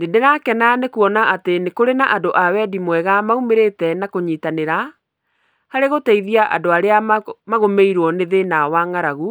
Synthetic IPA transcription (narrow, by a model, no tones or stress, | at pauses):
nedeɾakɛnanekuɔnaʔatenekoɾenaʔadoʔawɛdimwɛɣamaumeɾetɛnakoɲiːtaneɾa | haɾeɣotɛiðiaʔadoaɾeamaɣomeiɾwɔneðenawaŋaɾaɣu